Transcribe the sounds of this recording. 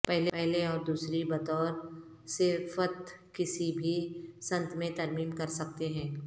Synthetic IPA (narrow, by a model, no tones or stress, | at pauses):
pɛɦlpɛɦleɔːɾd̪uːsɾibɐt̪ɔːɾ | sefət̪kɪsibʱisɐ̃nt̪mẽt̪ɐɾmiːmkɐɾsɐk̚t̪eɦɛ̃ː